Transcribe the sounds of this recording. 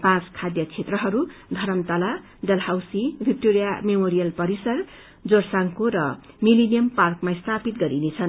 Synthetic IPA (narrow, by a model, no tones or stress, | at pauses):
pãt͡skʰad̪jʌt͡sʰet̪rʌɦʌɾud̪ʱʌɾʌmt̪ala | ɖʌlhawsibʱik̚ʈoɾijamemoɾijʌlpʌɾisʌr | d͡zorsaŋkoɾʌ | milenijʌmparkmast̪ʰapit̪̚ɡʌɾinet͡sʰʌn